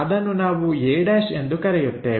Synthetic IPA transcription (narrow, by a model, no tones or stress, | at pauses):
ɐd̪ɐnːunaːʋueːɽɐːʂe̞nd̪ukɐɾɛjut̪ːḛː